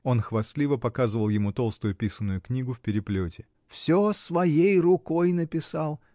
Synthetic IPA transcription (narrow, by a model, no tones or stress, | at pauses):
o̞nxvɐslʲivəpɐkazɨvəlˠjɪmut̪o̞lˠst̪ʊjʊpʲisənːʊjʊknʲiɡʊfʲpʲɪɾʲɪplʲotʲɪ | fsʲosvɐjejrʊkojnəpʲɪsɑlˠ